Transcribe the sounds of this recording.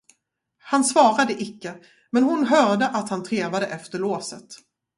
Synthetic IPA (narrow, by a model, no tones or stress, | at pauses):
hansvɑːɾad̪əʔɪkːə | mɛnɦʊnɦœːɖ̪əʔat̪hant̪ʰɾeːvad̪əʔɛft̪əɭoːsət̪